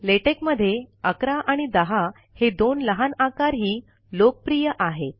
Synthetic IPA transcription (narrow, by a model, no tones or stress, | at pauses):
leʈekməd̪ʱːjeəkɾaʔaɽ̃id̪əɦa | hed̪onləɦanakaɾɦiː | lok̚pɾijəʔaɦe